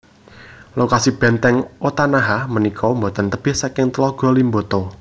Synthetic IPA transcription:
lokasib̥ɛ̤nt̪ɛŋot̪anaɦamənikʰɔmbot̪ənt̪əb̥ɪhsakɪŋt̪əlɔɡ̥ɔlimbo̤t̪ɔ

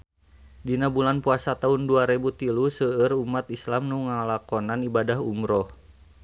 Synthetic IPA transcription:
dinabulanpuasat̪aɦunduaɾebut̪ilusəərumat̪islamnuŋalakɔnanibadahumɾɔh

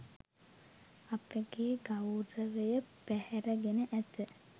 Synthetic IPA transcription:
apəɡeːɡawɾəʋəjəpæhɛɾəɡenəʔæt̪ə

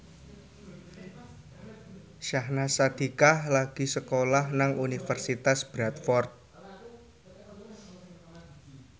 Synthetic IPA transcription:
ʃahnasad̪̥i̤kahlaɡ̥i̤səkolahnaŋunifərsit̪asb̥ɾat̪fɔrt̪̚

